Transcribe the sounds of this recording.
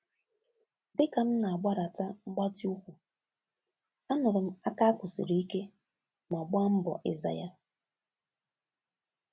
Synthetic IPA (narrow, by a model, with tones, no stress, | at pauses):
dɪ˦ka˨m̩˦na˨a˨ɡ͡ba˦ɾa˨ta˦m̩˦ɡ͡ba˦ti˦u˦kʷu˨ | a˦nʊ˨ɾʊ˨m̩˦a˦ka˦kʷʊ˨sɪ̰˨ɾi˨˦i˦ke˦ | ma˨ɡ͡ba˦m̩˦bɔ̰˨ʔɪ̰˦za̰˨ja˦